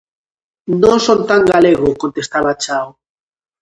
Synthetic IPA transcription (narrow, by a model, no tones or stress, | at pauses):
nõnsont̪aŋɡaleɣ̞okont̪est̪aβat͡ʃaw